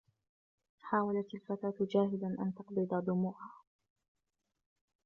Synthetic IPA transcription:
ħaːwalat̪alfat̪aːt̪d͡ʒaːɦɪlanʔa̰nt̪ɑqd̪id̪ad̪ˤʊmuːʕaː

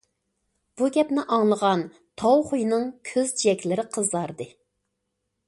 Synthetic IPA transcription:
b̥uɡʲɛpnɪʔɑŋlˠəʁɑn | t̪ʰɑwχujnɨŋkʲʰøzd͡ʒiɛkʲlɪɾɪqʰəzɑɾd̪ɨ

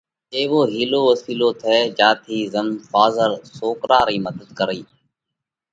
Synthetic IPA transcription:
eːʋoːɦiːloːʋəsiːloːt̪ʰeːd͡ʒaːt̪ʰiːzəmfaːzəɾsoːkɾaːɾiːməd̪əd̪̚kəɾiː

